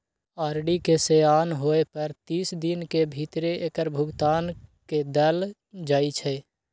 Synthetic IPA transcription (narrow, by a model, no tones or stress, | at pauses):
aːɾɖikeseaːnɦoːepəɾt̪iːsd̪inkebʱit̪ɾeʔekəɾbʱʊɡt̪aːnked̪əl | d͡ʒaːit͡ʃʰɛ